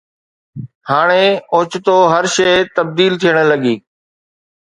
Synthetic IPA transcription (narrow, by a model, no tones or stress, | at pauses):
haːɽ̃eːʊːt͡ʃt̪oːɦəɾʃeːt̪əb̚d̪iːlt̪ʰijəɽ̃ləɠiː